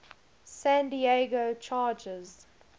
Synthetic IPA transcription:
sæ̃ndieɡoʊt͡ʃʰaːd͡ʒəz̥

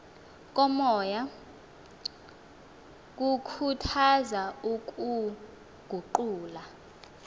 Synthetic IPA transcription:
k̬ʼɔmɔːja | k̬ʼukʰutʰazauk̬ʼu | ɡ̥ʱuǃuːla

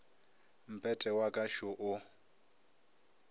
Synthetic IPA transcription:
m̩pʰʼɛtʼɛwakʼaʃʊʔʊ

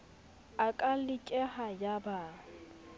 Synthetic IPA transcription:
akʼalɪkʼɛhajabaː

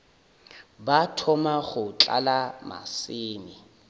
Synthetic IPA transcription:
batʰɔmaɣʊt͡ɬa̰lama̰sɪːni

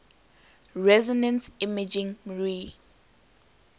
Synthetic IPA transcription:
ɹɛzɔnɛ̃nsimad͡ʒĩŋɹi

